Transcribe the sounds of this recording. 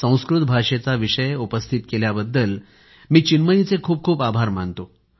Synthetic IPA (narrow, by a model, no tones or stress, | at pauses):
sə̃w̃skɾut̪̚bʱaʂet͡saʋiʂəjupəst̪ʰit̪keljabəd̪ːəl | miːt͡ɕinməit͡sekʰuːp̚kʰuːpabʱaɾmant̪o